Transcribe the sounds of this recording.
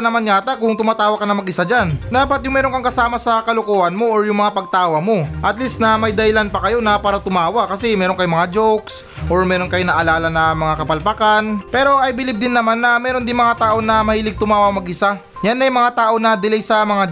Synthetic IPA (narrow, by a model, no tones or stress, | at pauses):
nɐmanɲaːt̪ɐkʊŋt̪ʊmaːt̪aːwɐkɐnɐmɐɡʔɪsad͡ʒand̪aːpɐt̪̚jʊŋmɛːɾo̞ŋkɐŋkɐsaːmɐsɐkɐlokoːʔɐnmo̞ʔoɹjʊŋmɐŋapɐɡ̚t̪aːwɐmo̞ʔɐt̪lisnɐmɐjd̪ɐɪlanpɐkɐjo̞nɐpaːɾɐt̪ʊmaːwɐkɐsɛmɛːɾo̞nkɐjomɐŋad͡ʒowks | ʔoɹmɛːɾo̞nkɐjonɐʔɐlaːlɐnɐmɐŋakɐpɐlpɐkanpɛːɾo̞ʔɐjbɪlɪb̚d̪ɪnːɐmanːɐmɛːɾo̞nd̪ɪnmɐŋat̪aːʔo̞nɐmɐhiːlɪɡ̚t̪ʊmaːwɐmɐɡʔɪsa | janɐjmɐŋat̪aːʔo̞nɐd̪ɪlɛjsɐmɐŋa